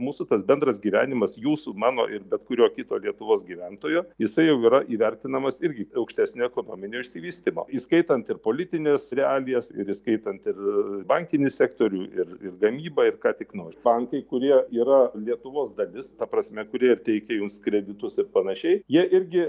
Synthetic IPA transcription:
muːsʊt̪ɐsbʲɛnd̪ɾɐsɡʲiːʋʲæːnʲɪmɐsjuːsumɑːno̰ːʔɪrbʲɛt̪kʊɾʲoːkʲɪt̪o̰ːlʲiɛt̪ʊʋoːsɡʲiːʋʲɛnt̪oːjoːjɪsɐɪjɛʊiːɾɐʔiːʋʲɛrʲt̪ʲɪnɐmɐsɪɾʲɡʲɪɐʊkʃʲt̪ʲæːsʲnʲoːɛkoːno̰ːmʲɪnʲoʊʃʲsʲɪʋʲiːsʲt̪ʲɪmo̰ːiskɐɪt̪ɐnt̪ɪrpoːlʲɪt̪ʲɪnʲeːsɾʲɛɑːlʲɪjɛsɪ̰ɾiskɐɪt̪ɐnt̪ɪrbɐŋʲkʲɪnʲɪsʲækt̪oːɾʲuːɪrɪ̰rɡɐmʲiːbɐːɪrkɑːt̪ʲɪknoːɾʲbɐŋkɐɪkʊɾʲiɛiːɾɐlʲiɛt̪ʊʋoːsd̪ɐlʲɪst̪ɐprɐsʲmʲɛkʊɾʲiɛɪrt̪ʲɛɪkʲɛjʊmskɾʲɛd̪ʲɪt̪ʊsɪrpɐnɐʃʲɛɪjiɛʔɪɾʲɡʲɪ

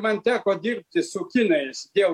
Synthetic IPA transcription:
mɐnt̪ʲæːkoːd̪ʲɪɾʲpʲt̪ʲɪsʊkʲɪnɐɪsd̪ʲeɛl

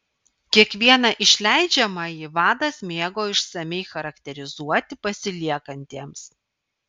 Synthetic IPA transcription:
kʲiɛkʋʲiɛnɑʔɪʃʲlʲæˑɪd͡ʒʲɛmɑjiʋɑːd̪ɐsʲmʲeːɡoːɪʃsɐmʲɛɪxɐɾɐkʲt̪ʲɛɾʲɪzuɔt̪ʲɪpɐsʲɪlʲiɛkɐnʲt̪ʲeːms

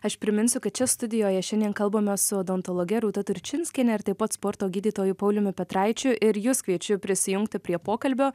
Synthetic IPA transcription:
ɐʃpʲɾʲɪmʲɪnʲsʲʊkɐt̪̚t͡ʃʲɛst̪ʊd̪ʲɪjoːjɛʃʲɛnʲd̪ʲiɛnkɐlˠboːmʲosʊɐd̪ont̪oːlˠoːɡʲɛɾuːt̪ɐt̪ʊɾʲt͡ʃʲɪnʲsʲkʲɛnʲɛɪɾt̪ɐɪpɐt̪spoːɾt̪oːɡʲiːd̪ʲiːt̪oːjʊpɐʊlʲʊmʲʊpʲɛt̪ɾɑɪt͡ʃʲʊʔɪɾjʊskʋʲiɛt͡ʃʲʊpʲɾʲɪsʲɪjʊŋkt̪ʲɪpʲɾʲiɛpoːkɐlʲbʲoː

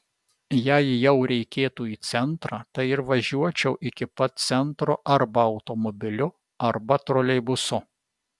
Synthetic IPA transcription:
jɛɪjɛʊɾʲɛɪkʲeːt̪uːiːt̪sʲɛnt̪ɾɑːt̪ɐɪɪɾʋɐʒʲuɔt͡ʃʲɛʊʔɪkʲɪpɐt̪̚t̪sʲɛnt̪ɾʊʔɐɾbɐɐʊt̪omɔbʲɪlʲʊ | ɐɾbɐt̪ɾoːlʲɛɪbʊsʊ

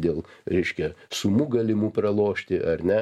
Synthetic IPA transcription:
d̪ʲeːlˠɾʲɛɪʃʲkʲɛsʊmuːɡɐlʲɪmuːpɾɐlˠoːʃʲt̪ʲɪʔɐɾʲnʲɛ

